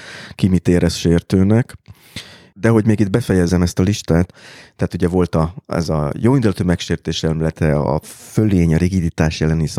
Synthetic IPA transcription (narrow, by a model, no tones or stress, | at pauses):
kimit̪eːɾʔɛsʃeːrt̪øːnɛk | d̪ɛɦo̞ɟmeːɡid̪̚bɛfɛjɛzɛmɛst̪ɒliʃt̪aːt̪ːɛaːt̪uɟɛvo̞lt̪ɒɛ̰zɒ̰joːvind̪ulɒt̪øːmɛkʃeːrt̪eːʃɛlmilɛt̪ɛɒ̰følːeːɲɒɾiɡid̪it̪aːʃjɛlɛnis